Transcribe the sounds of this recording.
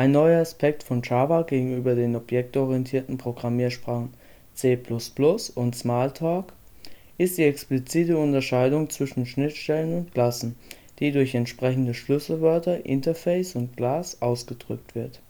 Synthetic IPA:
ʔaɪnːɔʏɐaspʰɛk̚tfɔnt͡ʃaːvaɡeːɡŋ̩ʔyːbɐdeːnɔpjɛk̚tʔɔʁiɛntʰiːɐtn̩pʁ̥oɡʁamiːɐʃpʁ̥aːχn̩ | t͡seːpʰlʊsplʊsʊntsmaɐltʰɔːk | ʔɪst̚d̥iːɛksplit͡siːtəʊntɐʃaɪdʊŋt͡sv̥ɪʃn̩ʃnɪtʃtɛlənʊntɡ̥l̥asn̩ | d̥iːdʊɐçɛntʃpʁ̥ɛçn̩dəʃlʏsl̩vœɐtɐʔɪntɐfɛɪsʊnt̚ɡ̥laːsʔaʊsɡ̥ədʁʏ̰k̚tv̥ɪɐt

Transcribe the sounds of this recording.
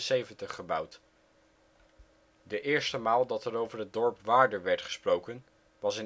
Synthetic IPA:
sejvəntəχəbʌwt | dəʔɪːɹstəmaːlˠdɑtɛɾowvəɹət̚dɔɹpʋaːɹdəɹʋɛɹtχə̥sprowkən | ʋɑsɪn

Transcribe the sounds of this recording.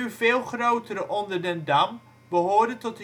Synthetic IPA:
yvɪːlˠχrowtəɾəʔɔndəɹdɛndɑm | bəɦʊːɹdəntɔtə

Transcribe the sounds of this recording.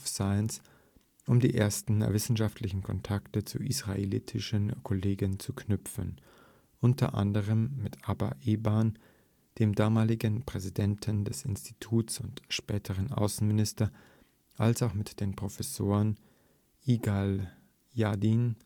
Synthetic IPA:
fsaɪns | ʔʊmdiːʔeːɐstn̩vɪsn̩ʃaftʰlɪçn̩kʰɔntʰaktət͡sṵʔisʁ̥aʔḛlḭːtʰɪʃənkʰɔleːɡənt͡sukʰnʏpfən | ʔʊntʰɐ̰ʔa̰ndəʁ̞əmːɪtʔaba̰ʔeːban | d̥eːmdaːmaːlɪɡənpʁ̥ɛzidɛntʰəndɛsɪ̰nsti̥tʰuːtsʊntʃpɛːtʰəʁənʔa̰ʊsn̩mɪnɪstɐ | ʔalsaʊxmɪtd̥eːnpʁ̥ofɛsoːʁən | ʔiːɡal | jadiːn

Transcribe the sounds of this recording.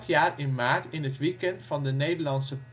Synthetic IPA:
χjaːɹɪnnmaːɹtɪnɦətʋikɛntfɑndənejdəlɑnsəp

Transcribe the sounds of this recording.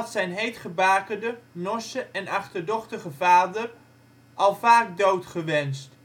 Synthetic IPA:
ɑtsɛjnɦejtχəbaːkədənɔsəʔɛnɑχtəɹdɔχtəχəvaːdər | ʔɑlˠvaːk̚dowtχəʋɛnst

